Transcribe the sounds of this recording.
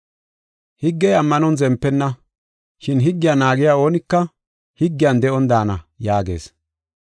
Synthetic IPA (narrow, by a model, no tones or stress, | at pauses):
hɪɡːɛjɐmːɐnɔnzɛmpːɛnːɐ | ʃɪnɦɪɡːɪjanaːɡɪjaːo̞ːnɪkːɐ | hɪɡːɪjɐnd̪ɛʔɔnd̪aːnɐjaːɡe̞̰ːs